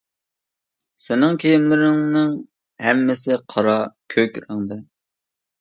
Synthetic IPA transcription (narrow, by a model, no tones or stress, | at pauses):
sɪnɪŋkʲʰejimlɪɾɪŋnɨŋ | hɛmːɪsɪqʰɑɾɑkʲʰøkʲɾɨŋd̪ɨ